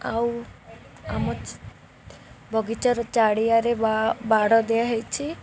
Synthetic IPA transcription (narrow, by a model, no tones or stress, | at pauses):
aw | amɔt͡ʃ | bʱɔɡit͡ʃɔɾɔt͡ʃaɽijaɾebaɽɔd̪eaɦejt͡ʃʰi